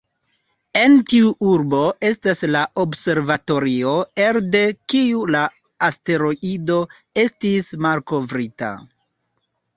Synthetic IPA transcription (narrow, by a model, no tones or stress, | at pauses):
e̞ntiuʔuɾbo̞e̞staslaʔobse̞ɾvato̞ɾio̞e̞ɾde̞kiula | aste̞ɾo̞ʔido̞ | e̞stismalko̞vɾita̰